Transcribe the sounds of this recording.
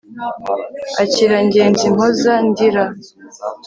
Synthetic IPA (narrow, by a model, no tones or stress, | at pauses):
aciɾaɲɟe̞ːnzim̥ozandiɾa